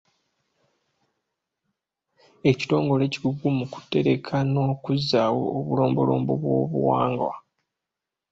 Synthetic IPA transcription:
e̞ci̥to̞ːŋɡo̞le̞ːciɡuɡumuku̥tːe̞ɾe̞kʰano̞ːkuzːaːwo̰ːβulo̞ːmbo̞lo̞̰ːmbo̰βwo̞̰ːβṵwaːŋɡwa̰

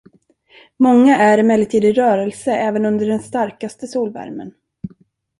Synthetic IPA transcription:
mɔŋːaʔæɾɪmɛlːɪt̪ʰiːd̪ɪɾœːɾɛlsəɛːvənɵnd̪əɖɛnst̪aɾkast̪əsuːlvæ̰ɾmə̰n

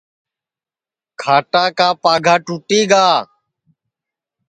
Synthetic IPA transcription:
kʰaːʈaːkaːpaːɡʱaːʈuːʈiːɡaː

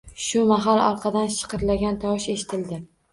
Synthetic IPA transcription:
ʃʊmaɦalɒɾˠqʰɑd̪anʃɨ̥qʰɨɾlaɡʲant̪ʰɒwʃe̞ʃɪ̥t̪ʰɪld̪ɪ

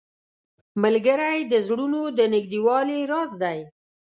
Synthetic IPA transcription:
malɡəɾajd̪əzɽunod̪ənɪɡd̪iwɑliɾɑzd̪aj

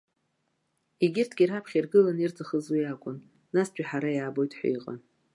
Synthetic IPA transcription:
iɡʲɪrtʰɡʲirapʰχʲirɡɨlanirt͡sʰʼaχəzwijakʷʼʊn | nast͡ɕʷᶣʼaħaɾajaːbo̞jtʼħʷa̰iqʼa̰n

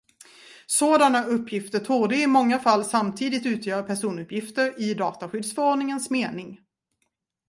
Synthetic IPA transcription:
soːd̪anaɵpːjɪft̪ət̪ʰuːɖəɪmɔŋːafalːsamt̪ʰiːd̪ɪt̪ʉ̟ːt̪ʰjœːɾpʰæʂuːnɵpʰjɪft̪əɾɪd̪ɑːt̪aɧʏd̪sfœɾɔɖnɪŋənsmeːnɪŋ

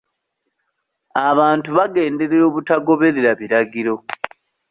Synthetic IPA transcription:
aβaːntuβaɡe̞ːnde̞ɾeɾo̞ːβutaɡo̞βe̞ɾeɾaβiɾaɡiɾo̞

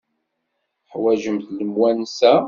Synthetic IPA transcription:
ħwæʒəmθləmwænsæ

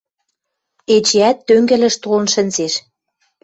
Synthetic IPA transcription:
et͡ɕeæt̪ːøŋɡɘ̆lɘ̆ʃt̪olə̆nʃə̆nzeʃ

